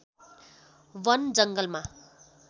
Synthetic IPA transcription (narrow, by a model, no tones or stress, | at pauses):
wʌnd͡zʌŋɡʌlma